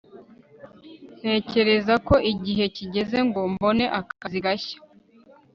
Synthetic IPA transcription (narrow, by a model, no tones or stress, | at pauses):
n̥he̞ːce̞ɾe̞zako̞ʔiɟiɦe̞ciɟe̞ze̞ŋɡombo̞ne̞ʔakkaziɡaçḁ